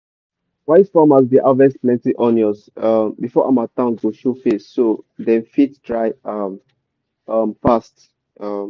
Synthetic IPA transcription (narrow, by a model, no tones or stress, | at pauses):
waɪsfamas̬diʔavɛsplɛ̃ntiʔɔ̃njɔsambifɔʔamatãŋɡoʃufessodɛ̃nfittɹaɪam | amfast | am